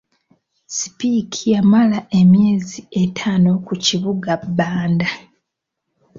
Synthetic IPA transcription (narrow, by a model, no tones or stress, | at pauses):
si̥pikʰijamalaʔe̞mje̞ːzie̞tʰaːno̞kuciβuɡabːaːnda